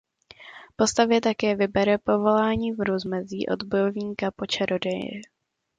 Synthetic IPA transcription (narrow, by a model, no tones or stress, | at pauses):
po̞st̪avjɛt̪akɛːvɪbɛɾɛpo̞vo̞laːɲiːvɾuzmɛziːʔo̞̰d̪bojovɲiːkapo̞t͡ʃɛɾodɛjɪ̰